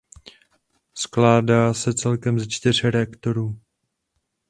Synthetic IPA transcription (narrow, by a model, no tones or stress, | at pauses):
sklaːdaːsɛt͡sɛlkɛmzɛt͡ʃt̪ɪr̝ɾɛakt̪oɾuː